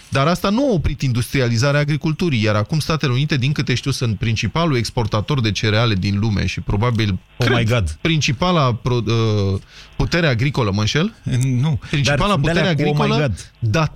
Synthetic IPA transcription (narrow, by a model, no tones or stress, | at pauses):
d̪aɾast̪anuaopɾit̪ind̪ust̪ɾializaɾeaːɡɾikult̪uɾijaɾakumst̪at̪e̞le̞unit̪e̞d̪iŋkɨt̪e̞ʃt̪iuwsɨnt̪̚pɾint͡ʃipalue̞kspo̞rt̪at̪o̞rd̪e̞t͡ʃe̞ɾeale̞d̪inlumḛʃipɾo̞babil | kɾejɡad̪pɾint͡ʃipalapɾoə | put̪e̞ɾeaɡɾiko̞ləmənʃe̞lnupɾint͡ʃipalaput̪e̞ɾeaɡɾikoləd̪d̪a